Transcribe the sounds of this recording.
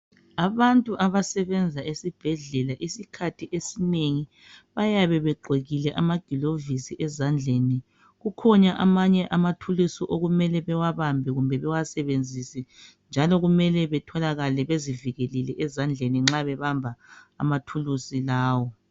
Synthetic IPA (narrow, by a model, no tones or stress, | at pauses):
aβantʼuʔaβasɛβɛnd͡zʱaesib̥ʱɛɮɛlaʔisikʰatʰiʔesineŋi | βajaβɛβɛɡ͡ǃʱweɣilɛʔamaɡ̥ʱilovisiʔɛzand͡ɮʱeni | ɣukʰɔɲaʔamaɲɛʔamatʰulusiʔoɣumɛlɛβɛwaβambʱɛɣumbʱɛβɛwasɛβend͡zʱisɛ | nd͡ʒʱalɔɣumɛlɛβɛtʰɔlaɣalɛβeziviɣelilɛʔɛzand͡ɮʱeniŋ͡ǁaβɛβambʱaa̰matʰulusilaːwɔ